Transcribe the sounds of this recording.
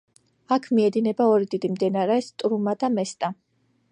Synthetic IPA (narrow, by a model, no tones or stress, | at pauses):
akʰmiɛd̪inɛbaɔɾid̪id̪imd̪ɛnaɾɛst̪ʼɾumad̪amɛst̪ʼa